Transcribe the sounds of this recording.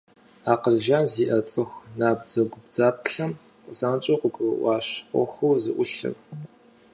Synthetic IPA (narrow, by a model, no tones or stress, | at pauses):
aːqəɮʒaːnziːʔɐt͡sʼɨxʷnaːb̚d͡zɐɡʷʊbd͡zaːp̚ɬɐm | zaːnt͡ʃʼoqʷʊɡʷʼɨʔʷɑːɕqʷɔ̰xʷuːzɨʔʷʊɬɐ̰ɣ